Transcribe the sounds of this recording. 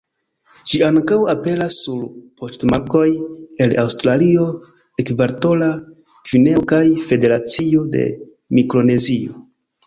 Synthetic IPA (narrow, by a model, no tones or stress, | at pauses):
ʃiaŋkawape̞ɾasːuɾpʰo̞stmako̞je̞lawstɾalio̞ | ekvaɾto̞la | v̥ine̞okajfe̞de̞ɾat͡sio̞de̞̰ | mikɾo̞ne̞zio̞̰